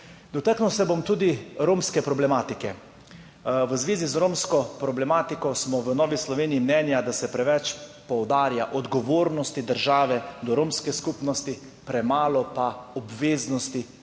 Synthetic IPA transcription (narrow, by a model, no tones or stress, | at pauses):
d̪ɔt̪aknuwsɛbomt̪uːd̪iɾoːmskɛpɾɔblɛmaːt̪ikɛ | ʋəzʋeːzizɾoːmskɔpɾɔblɛmaːt̪ikɔsmɔʋənɔːʋislɔʋeːniimnɛːnjad̪asɛpɾɛʋɛt͡ʃpɔwd̪aːɾjaʔɔd̪ɡɔʋoːɾnɔst̪id̪əɾʒaːʋɛd̪ɔɾoːmskɛskupnɔst̪i | pɾɛmaːlɔpaɔbʋeːznɔst̪i